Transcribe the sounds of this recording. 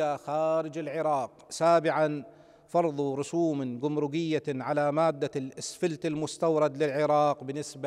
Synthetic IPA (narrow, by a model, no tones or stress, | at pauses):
axaːɾɪd͡ʒɪlʕɪɾˤɑːqsaːbɪʕan | fɑɾˤðˤɾʊsuːmɡʊmɾʊɡɪjːaʕalamaːd̪ːalʔɪsfɪlt̪ɪlmʊst̪awɾˤɑd̪lɪlʕɪɾˤɑːqbɪnːɪsba